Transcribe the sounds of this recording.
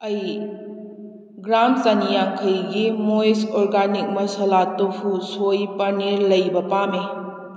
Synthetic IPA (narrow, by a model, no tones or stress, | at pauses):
ɐj | ɡɾamsanijaŋkʰɐjɡimojsɔɾɡanik̚mɐsɐlatopʰusojpɐɾniɾlɐjbɐpame